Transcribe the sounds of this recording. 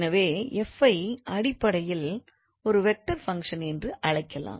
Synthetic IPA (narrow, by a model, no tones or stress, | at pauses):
nɐʋeːɛfɐɪʔɐɽɪpːɐɽɐjɪl | ɔɾɯʋɛk̚ʈɐɾfɐŋkʂɐnɛndrɯʔɐɻɐɪkːɐla̰ːm